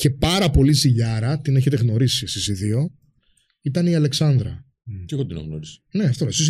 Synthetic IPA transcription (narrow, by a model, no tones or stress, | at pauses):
çe̞pɐɾɐpo̞liziʎɐɾɐt̪ine̞çe̞t̪e̞ɣno̞ɾisisisiðio̞ | it̪ɐniɐle̞ksɐnd̪ɾɐ̰ | ceɣot̪inɐ̰ɣno̰ɾisɐ̥ne̞ɐft̪olsis